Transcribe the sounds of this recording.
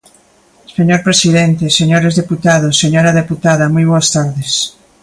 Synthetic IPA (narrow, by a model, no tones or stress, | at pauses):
seɲoɾpɾesiðent̪eseɲoɾezðeput̪aðosːeɲoɾaðeput̪aðɐmujβ̞oast̪aɾðes